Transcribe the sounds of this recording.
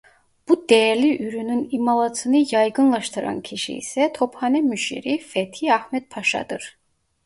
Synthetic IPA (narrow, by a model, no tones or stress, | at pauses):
b̥ud̪ɛjæɾliʔyɾynynimɑlˠɑt̪ʰɯnɯjɑjɡɯnlˠɑʃt̪ʰɯɾɑ̰ncʰiʃḭḭsɛt̪ʰo̞phɑnɛmyʃḭɾifɛt̪ʰiæhmɛt̪̚pʰɑʃɑ̰d̪ɯɾ̥